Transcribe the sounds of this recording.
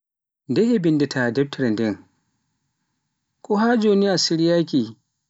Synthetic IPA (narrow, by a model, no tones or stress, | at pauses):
dɛhebɪndɛtʰadɛb̚tɾɛdɛŋ | kʷʼohaːd͡ʒoːniʔasɪɾjaːkʲiː